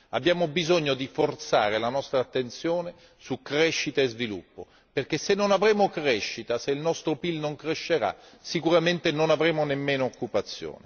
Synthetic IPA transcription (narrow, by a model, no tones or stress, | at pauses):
a̰bːjaːmobizoɲːod̪ifort̪sa̰ːɾelanɔst̪ɾaːt̪ːent̪sjoːne | sukːɾɛʃːit̪aezvilṵpːo̰ | perk̟esːenːonavɾɛːmokɾɛʃːit̪aseilnɔst̪ɾopilnoŋkɾeʃːeɾa̰ | sikuɾament̪enonavɾeːmonemːeːnoːkːupat̪sːjo̰ːne